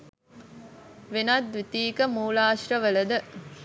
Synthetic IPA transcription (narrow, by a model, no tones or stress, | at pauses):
ʋenad̪ʋit̪iːkəmuːlaːʃrəʋəlɐd̪ə